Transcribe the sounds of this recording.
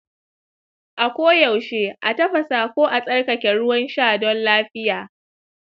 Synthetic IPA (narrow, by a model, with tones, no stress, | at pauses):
ʔa˨kʷoː˦ja˨wʃeː˦ʔa˨tɐ˦ɸɐ˨saː˨kʷoː˦ʔa˨sʼɐ˦rkɐ˨kʲɛ˨ɽʊ˦wɐ˦nʃaː˦˨dɔ˦nlaː˦ɸɪ˦jaː˨